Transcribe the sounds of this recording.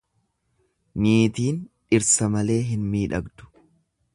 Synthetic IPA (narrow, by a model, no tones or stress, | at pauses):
niːt̪iːn | ɪɾsɐmɐle̞ːɦɪnmiːᶑɐɡd̪ʊ̥